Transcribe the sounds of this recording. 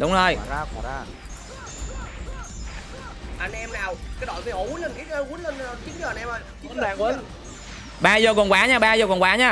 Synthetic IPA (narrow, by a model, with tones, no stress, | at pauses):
ɗʊ˨˦ŋ͡mzo˨˩j | ʔa˧nʔɛ˧mnaː˨˩wkaː˨˦jɗɔ˧˨˩və˨˩ho˧˩ɣu˨˦ənlə˧˩nkk̚ə˧ɣu˦ənlə˧n˧t͡ɕi˦˥t̚əː˧˨˧nɛ˧mə˧˩ | i˦˥˦aː˨˩ŋwə˧˦ | ɓaː˧zəː˨˩kɔ˨˩nkwaː˨˦ɲaː˧˩ɓaː˧zəː˨˩kɔ˨˩nkwaː˨˦ɲaː˧˩